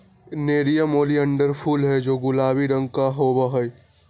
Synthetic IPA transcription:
neːɾijamoːliɐ̃ɳɖəɾpʰuːlɦɛd͡ʒoːɡʊlaːbiɾə̃ŋɡkaɦoːbaɦɔi

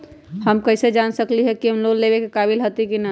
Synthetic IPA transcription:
həmkəɪsed͡ʒansəkliɦɛkiɦəmloɡlebekekabilɦot̪ikina

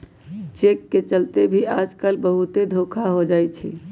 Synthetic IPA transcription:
t͡ʃekːet͡ʃəlt̪ebʱiad͡ʒkəlbəɦut̪ed̪ʱokʰaɦod͡ʒajt͡ʃʰḭ

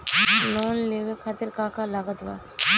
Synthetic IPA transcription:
lɔːnleːʋekʰaːt̪ɪɾkãːkʰalaɡət̪ʋa̰

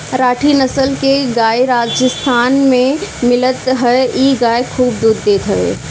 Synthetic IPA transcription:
ɾaːʈʰinəsəlkeɡaːeɾaːd͡ʒəst̪ʰaːnmẽmɪlət̪ɦɛeiɡaːekʰuːbd̪uːd̪ːeːt̪ɦəḛ

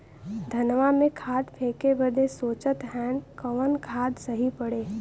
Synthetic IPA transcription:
d̪ʱɐnʋamẽkʰaːɖ̪pʰeːkebəd̪ʱesoːt͡ʃət̪ɦɛːnkəʋənkʰaːd̪səɦipəɽeː

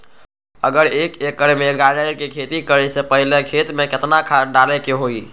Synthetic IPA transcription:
ə̰ɡəɾekekːəɾmeɡad͡ʒəikekʰet̪ikəɾɛsepəɦilekʰet̪meket̪nakʰaɖalɛkeɦoi

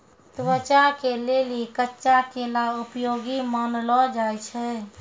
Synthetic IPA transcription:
t̪ʋət͡ʃakelelikətːt͡ʃakelaupjoɡimənlɔd͡ʒajt͡ʃʰɛ

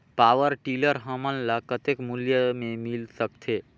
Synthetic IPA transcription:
paːʋəɾʈiːləɾɦəmənlakət̪ekmuljəmẽmilsəkt̪ʰeː

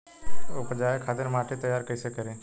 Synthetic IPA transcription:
opd͡ʒaːekʰaːt̪ɪɾmaːʈʰet̪əjaːɾkəɪsekəɾẽː

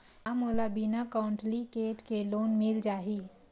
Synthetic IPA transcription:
amoːlabinakaːɳʈlikeːʈkeloːnmɪld͡ʒaːɦiː

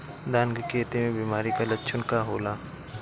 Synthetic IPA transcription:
d̪aːnɡəkʰeːt̪imẽbiːmaːɾikalɐtːt͡ʃʰənkaɦoːlaː

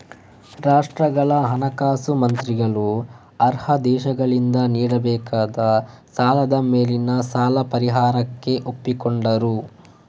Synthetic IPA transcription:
ɾaːʂʈɾɐɡɐɭɐɦɐnɐkaːsumɐnt̪ɾiɡɐɭu | ɐɾhɐd̪ɛːʃɐɡɐɭind̪ɐniːɽɐbɛːkʰaːd̪ɐsaːlɐd̪ɐmeːlinɐsaːlɐpɐɾiɦaːɾɐkːe̞ʔo̞pːikoɳɖɐɾu

